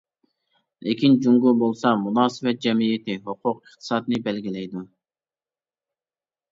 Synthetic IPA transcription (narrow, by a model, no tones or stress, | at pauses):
lɪkʲʰind͡ʒuŋɡubolˠsɑmunɑːsɨbɛt̪̚d͡ʒɛmijet̪ɪɦoqʰʊqəχt̪ʰɨ̥sɑːd̪ɨnɨbɛlɡʲilɛjd̪u